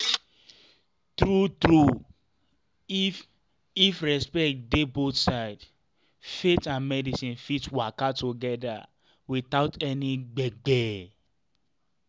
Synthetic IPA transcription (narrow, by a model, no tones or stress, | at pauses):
t̪ɹutɾu | ifɹɛspɛk̚tdebotsaɪd | fetãnmɛdisĩnfitwakatuɡɛda̰ | wiθaʊtɛniɡ͡bɛɡ͡bɛ